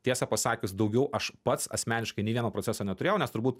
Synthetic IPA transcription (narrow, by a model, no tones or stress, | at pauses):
t̪ʲiɛsɑpɐsɑːkʲʊsd̪ɒʊɡʲɛʊʔɐʃpɐt̪sɐ̰sʲmʲæːnʲɪʃkɐɪnʲɛɪʋʲiɛnoːpɾoːt͡sʲæːsoːnʲɛt̪ʊɾʲeːjɛʊnʲɛst̪ʊɾbuːt̪